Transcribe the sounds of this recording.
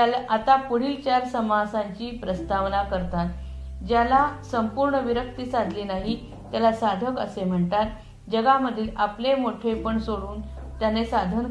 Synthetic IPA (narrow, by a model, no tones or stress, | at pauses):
alat̪apuɽ̤ilt͡ɕaɾsəmasãɲt͡ɕiːpɾəst̪aʋnakəɾt̪at̪d͡ʑjalasəmpuɾɳəʋiɾək̚t̪isad̪ʱliːnaɦi | t̪jalasad̪ʱəkə̰sem̤əɳt̪at̪ | d͡ʑəɡaməd̪ʱiːlʔaplemoʈʰepəɳsoɽuːnt̪janesad̪ʱən